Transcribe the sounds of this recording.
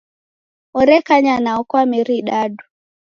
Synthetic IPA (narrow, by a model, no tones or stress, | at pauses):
ɔɾɛkaɲanaɔkwamiɾiɗaɗu